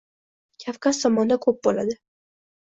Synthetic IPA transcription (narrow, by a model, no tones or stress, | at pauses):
kʲʰafkʰasːɒmɒnd̪akʰɵp̚bolad̪ɪ